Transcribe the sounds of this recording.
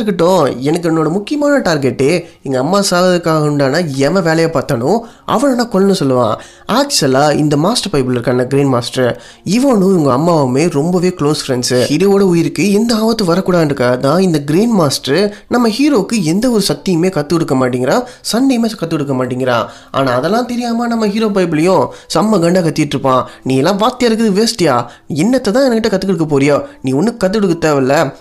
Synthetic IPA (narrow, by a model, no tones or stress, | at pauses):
ɾɯkːɪʈːʊ̃ɛnɐkːɯɛnːoːɽɐmʊkːɪjɐmaːnɐʈaːɾɡɛʈːeːɛŋɡɐɐmːaːsaːlɐðɯkːaːɣɐʊɳɖaːnãːɛʋɐ̃ʋeːlɐjaːpaːɾt̪ːɐɳʊ̃ | ʔɐ̰ʋɐɭɐnːãːkɔɭːɐnɯ̃sɔlːɯʋã̰ː | aːksɐlaːɪ̰nd̪ɐmaːsʈɐɾpɐɪpɪlɪɾɯkːaːnɐɡɪɾiːnmaːsʈɐɾ | ɪʋɐnʊ̃ʊŋɡɐɐmːaːʋɯmeːɾɔmbɐʋeːkɭoːsfɾɛnsɯhiɾoʋoːɽɐʊjɪɾɯkːɯɛnd̪ɐaːʋɐt̪ːɯ̃ʋɐɾɐkːuːɽaːðɪɾɯkːaːɣɐðãːɪnd̪ɐɡɾiːnmaːsʈɐɾnɐmːɐhiːɾoːkːɯɛnd̪ɐɔɾɯsɐk̚t̪ːɪjɐmeːkɐt̪ːɯkɔɽɯkːɐmaːʈ̬ːɪiŋɡɪɾãːsɐnːɐjɐmeːkɐt̪ːɯkɔɽɯkːɐmaːʈːɪŋɡɪɾã̰ː | ʔa̰ːnãːɐðɛlːãːt̪ɛɾɪjaːmaːnɐmːɐɦiːɾoːp̬ɐɪpɪlɐjʊ̃sɐmːɐɡɐɳɖaːkɐt̪ːɪjɪʈːɾɯpːãːnĩːɛlːãːʋaːt̪ːɪjaːɾɯk̬ːɯðɯʋeːsʈɪjaː | ɛnːɐt̪ːɐt̪ãːɛnɐkːɪʈːɐkɐt̪ːɯkːɔɽɯkːɐpoːɾɪjoːnĩːɔnːɯkːɐt̪ːɯkɔɽɯkːɯt̪ːeːʋɪlːɐ